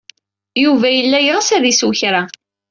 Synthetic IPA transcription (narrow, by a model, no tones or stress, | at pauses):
juvæjəlːæjʁəsæðiswçɾa